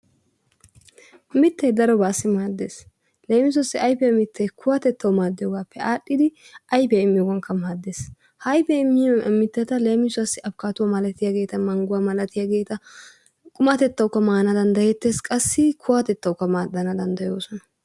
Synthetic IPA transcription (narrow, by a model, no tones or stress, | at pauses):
mɪt̪ːɛjd̪ɐɾɔbaːsːɪmaːd̪ːeːs | le̞ːmɪs̬ʊasːɪʔɐjpɛɐmɪt̪ʰːɛjkʰʊwat̪ɛt̪ːɐwmaːd̪ːɪjoːɡaːpːɛʔaːɗːɪd̪ɪ | ɐjpɛjɪmːɪjɔwɐŋkːɐmaːd̪ːeːs | hɐjpɛɪmːɪmːɪt̪ːɛt̪ɐleːmɪsʊwɐsːɪɐbkaːt̪ʊwamɐlɐt̪ɪjaɡe̞ːt̪ɐmɐŋɡʊwamɐlɐt̪ɪjaɡeːt̪ɐ | kʼʊmat̪ɛt̪ːɐwʊkːɐmaːnad̪ɐnd̪ɐjɛt̪ːeːskʼɐsːɪkʰʊwaːt̪ɛt̪ːɐwkːɐmaːd̪ːɐnaɐd̪ɐnd̪ɐjoːsɔnɐ̥